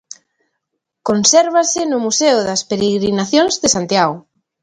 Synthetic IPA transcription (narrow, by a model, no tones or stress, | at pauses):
konsɛɾβ̞asɪnʊmuseʊðɐspeɾeɣɾinaθjõŋzðɪsant̪jaɣʊ